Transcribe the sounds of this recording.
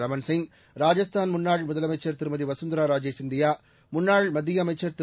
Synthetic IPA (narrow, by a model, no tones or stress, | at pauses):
ɾɐmɐnsɪŋɡ | ɾaːd͡ʒɐst̪ʰaːnmʊnːaːɭmʊðɐlɐmɐɪt͡ʃːɐɾt̪ɪɾɯmɐðiʋɐsɐnd̪ɾaːɾaːd͡ʒɐsɪnd̪ɪjaː | mʊnːaːɭmɐd̪ːɪjɐːmɐɪt͡ʃːɐɾt̪ɪ